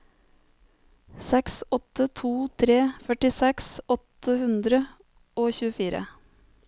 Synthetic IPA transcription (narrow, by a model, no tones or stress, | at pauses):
sɛksɔt̪ət̪ʰuːt̪ʰɾeːfœʈɪsɛksɔt̪əhʉnd̪ɾə | oːçʉːəfiːɾə̰